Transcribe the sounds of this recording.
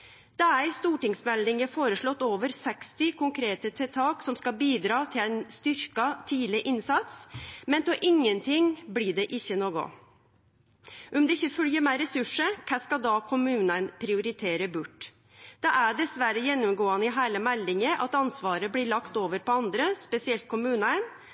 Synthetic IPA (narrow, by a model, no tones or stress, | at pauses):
d̪̥ɛæɾɪst̪uːʈɪŋsmɛld̪ɪŋəfoːɾəʂɭɔt̪ːoːʋəɾsɛkst̪ɪkʰʊŋkʰɾeːt̪ət̪ʰɛt̪ʰɑːksɔmskɑbiːd̪ɾɑːt̪ʰɪlæɪnst̪ʏɾkɑt̪ʰiːlɪʔɪnsɑt̪smɛnt̪ʰɛʔɪŋːənt̪ʰɪŋbliːɖɛʔɪçːənoːɡʊ̰ | ʔɔmd̪ɛɪçːəfœljəmæɪɾɛsʉʂəkʰæskɑd̪ɑkʰʊmʉːnənpʰɾɪʊɾɪt̪ʰeːɾəbʉʈː | d̪̥ɛʔæɖɛsʋæɾəjɛnːʊmɡoːənɪɦæːləmælːɪŋəʔɑ̰t̪ɑnsʋɑːɾəblɪɭɑkt̪oːʋəɾpɔɑnd̪ɾəspɛsɪɛlt̪̚kʰʊmʉːnən